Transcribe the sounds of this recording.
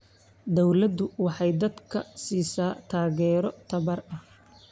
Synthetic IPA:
d̪ɔwlɐd̪ʊwɑħɑjd̪ɐd̪kʰɐ̰siːsaːt̪ʰaːɣɛːɾɔt̪ʰɐβɐrɐh

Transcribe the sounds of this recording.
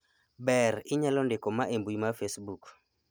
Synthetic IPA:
bɛɾiɲɛlɔndekɔmaʔembuimafesbuk

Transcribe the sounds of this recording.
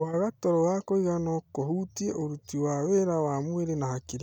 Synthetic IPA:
waɣatɔɾɔwakoiɣanɔkohutieʔoɾutiwaːweɾawamweɾenahakiɾ

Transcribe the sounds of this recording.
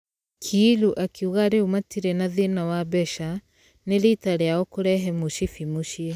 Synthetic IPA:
kʰiluʔakʰiuɣaɾeumatiɾɛnaðenawabɛʃa | neɾitaɾeaɔkoɾɛɦɛmoʃifimoʃiɛ

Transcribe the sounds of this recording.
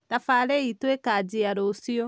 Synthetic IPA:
tafaɾɛitwekad͡ʒiaɾosiɔ

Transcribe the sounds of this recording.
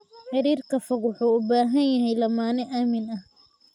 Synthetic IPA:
ħɑɾiːrkʰɐfɐɣwʊħuːʊbaːɦɐnjɐɦɛjlɐmaːnɪʔaːmɪnɐh

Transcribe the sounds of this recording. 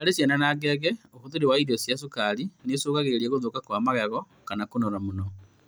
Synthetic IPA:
alesenanaɡeɣeokuðuɾewaiɾosjas̬ukalinesoːɣaɣeɾeɾieɣuðoːkakwamaɣeɣɔ | kanakunoɾamuno

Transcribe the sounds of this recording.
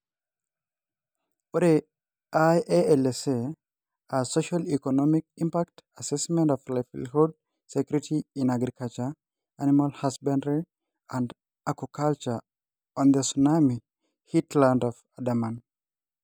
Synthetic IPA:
woɾe | ajeɛlese | asoʃalikɔnɔmik̚ĩmpak̚tasɛsmɛ̃ntɔflajfḭlhud̚ | sekjuɾitʰiĩnaɡɾikalt͡ʃa | animalhasbãndi | ãnd | akokʰalt͡ʃə | ɔ̃nd̪əsunami | hitlãndɔvadamãn

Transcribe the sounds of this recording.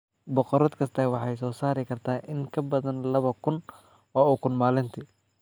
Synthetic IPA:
bɔqɔɾɐd̪kʰɐst̪ʰɐwɑħɑjsɔːsaːɾɪkʰɐrt̪ʰaːʔɪŋkʰɐbɐðɐnlɐβɐkʰʊn | ɔːukʰʊnmaːlɪnt̪ʰɪ

